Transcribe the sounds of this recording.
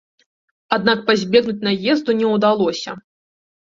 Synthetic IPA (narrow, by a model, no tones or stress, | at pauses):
ad̪̚nak̚pazʲbʲɛɣnut͡sʲnajɛzd̪unʲɛwd̪alˠɔsʲɐ̰